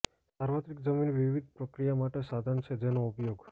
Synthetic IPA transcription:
saɾʋət̪ɾikd͡ʒəminʋiʋid̪̚ʱpɾəkɾijamaʈesad̪ʱant͡ʃʰed͡ʒenoupjoɡ

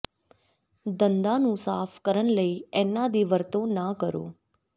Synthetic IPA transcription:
d̪ənd̪anũsaːfʰkəɾəɳləiɛnːad̪iʋəɾt̪õnakəɾo̰ː

